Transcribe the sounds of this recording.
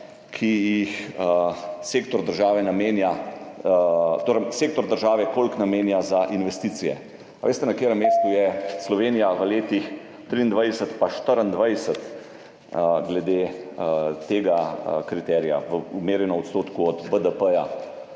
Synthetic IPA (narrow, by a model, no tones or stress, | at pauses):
kʰijix | seːkt̪ɔɾd̪əɾʒaːʋɛnameːnja | t̪oɾəseːk̚t̪ɔɾd̪əɾʒaːʋɛkolknameːnjazaʔinʋɛst̪iːt̪sijɛ̰ | aʋʔeːst̪ɛnɐkeɾəmːeːst̪ujɛslɔʋeːnijaʋəleːt̪ix | t̪ɾind̪ʋajsət̪paʃt̪əɾənd̪ʋajsət̪ | ɡlɛd̪eː | t̪eːɡakɾit̪ɛːɾija̰ʋəumeːɾjɛnɔmɔt̪st̪oːt̪kuɔd̪bəd̪əpəja